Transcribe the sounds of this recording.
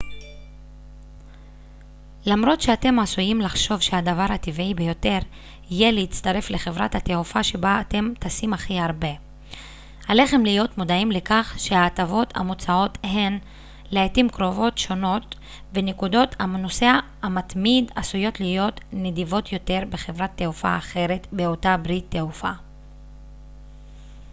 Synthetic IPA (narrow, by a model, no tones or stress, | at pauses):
lamɾo̞t̪ʃe̞ate̞masujimlaχʃo̞vʃeadavaʁhativibe̞jo̞te̞ʁ | ijeleit͡st̪aɾe̞fle̞χe̞vʁathat̪eufaʃe̞baːt̪e̞mt̪asimaχiaʁbe̞ | hale̞χe̞mlijo̞tmodaimle̞kaχʃe̞aːtavo̞ta̰mot͡sao̞the̞n | leatimkʁo̞vo̞tʃo̞no̞t | ve̞nekudo̞tamno̞se̞aː | mat̪midasujo̞tlijo̞tnedivo̞tjo̞te̞ʁbe̞χe̞vʁat̪ːeufa̰ːχe̞ʁe̞tbeo̞tabʁit̪ːeufa̰